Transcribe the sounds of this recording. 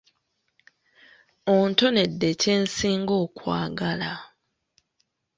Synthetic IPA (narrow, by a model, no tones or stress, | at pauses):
onto̞ne̞dːe̞ce̞ːnsiːŋɡoːkwa̰ːɡala